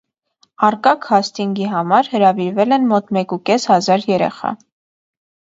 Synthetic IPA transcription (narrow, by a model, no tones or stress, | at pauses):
ɑrkɑkʰhɑst̪iŋɡiɦɑmɑɾhəɾɑviɾvɛlɛnmɔt̪mɛkukɛshɑzɑɾjɛɾɛ̰χɑ̰